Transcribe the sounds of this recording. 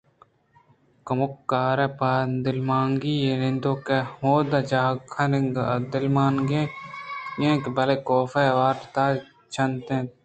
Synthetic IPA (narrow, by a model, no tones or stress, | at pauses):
kɐmʊkːaːɾepaːd̪ɪlmaːŋɡiːenɪ̃nd̪oːkehoːd̪ɐt͡ʃaːkʰɐnɪ̃ŋɡd̪ɪlmaːŋɡẽ | jẽːkbɐlekoːfeʋaːɾt̪aː | t͡ʃʰɐnt̪ẽ